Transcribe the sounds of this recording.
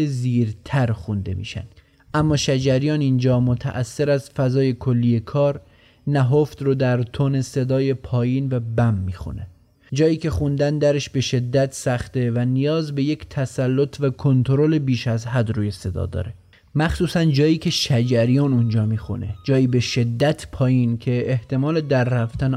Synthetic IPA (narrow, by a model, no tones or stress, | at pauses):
eziːɾt̪ʰæɾxund̪e̞̰mḭːʃæ̰nd̪̥ | ʔæmːɒːʃæd͡ʒæɾijɒːnind͡ʒɒːmot̪ʰæ̰ʔæsːe̞ɾæzfæzɒːje̞kʰo̞lːije̞kʰɒːɾ | næɦoft̪ɾod̪æɾt̪ʰone̞se̞d̪ɒːje̞pʰɒːjiːnvæbæmːiːxṵne | d͡ʒɒːjiːcʰe̞xund̪ænd̪æɾe̞ʃbe̞ʃe̞d̪ːæt̪ʰsæxt̪e̞vænijɒːzbe̞jecʰt̪ʰæsælːot̪ʰvækʰo̞nt̪ʰoɾole̞biːʃæzɦæd̪ruːje̞se̞d̪ɒ̰ːd̪ɒ̰ːɾe̞ | mæxsuːsænd͡ʒɒːjiːcʰe̞ʃæd͡ʒæɾijɒːnund͡ʒɒːmiːxṵne̞̰d͡ʒɒːjiːbe̞ʃe̞d̪ːæt̪ʰpʰɒːjiːncʲʰe̞eht̪e̞mɒːle̞d̪æɾːæft̪æn